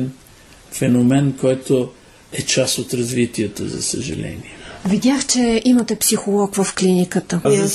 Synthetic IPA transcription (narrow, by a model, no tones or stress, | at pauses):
n | fɛnomɛnkɔjt̪o | ɛt͡ʃasot̪ɾɐzvit̪iɛt̪əzɐ̰sə̰ʒɐ̰lɛ̰nḭɛvid̪ʲaxt͡ʃɛʔimət̪ɛpsixolˠɔkvɐfklinikət̪ə